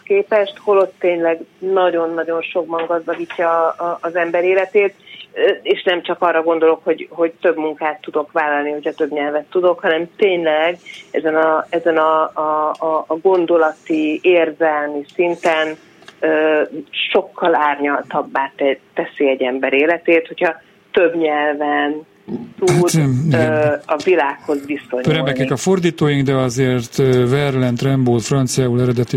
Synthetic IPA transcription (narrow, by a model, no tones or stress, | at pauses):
keːpɛʃt̪ho̞lo̞t̪ːeːɲlɛɡnɒɟo̞nːɒɟo̞nʃo̞ɡbɒŋɡɒzd̪ɒɡiːcːɒːzɛmbɛɾeːlɛt̪eːt̪ː | eːʃnɛmt͡ʃɒkɒrːɒɡo̞nd̪o̞lo̞kho̞ɟɦo̞ɟt̪ø̞bmuŋkaːt̪ːud̪o̞kʋaːlɒlniho̞cʰɒt̪ø̞bɲɛlvɛt̪ːud̪o̞khɒnɛmt̪eːɲlɛɡɛzɛnɒɛzɛnɒ | ɡo̞nd̪o̞lɒt̪ieːrzɛlmisint̪ɛn | øːʃo̞kːɒlaːrɲɒlt̪ɒbːaːt̪ɛɛsiɛɟɛmbɛɾeːlɛt̪eːt̪ho̞cʰhɒ | t̪øbɲɛlvɛn | t̪udiɡɒvilaːkho̞zʋiso̞ɲpɾɛmbɛkɛkɒfo̞rd̪iːt̪oːjiŋɡd̪ɛɒzeːrt̪øvɛrlɛnt̪rɛmboːlfrɒnt̪sijaːulɛɾɛd̪ɛt̪i